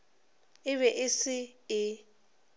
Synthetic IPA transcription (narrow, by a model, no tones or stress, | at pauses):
ɪβɛʔɪsɪɪ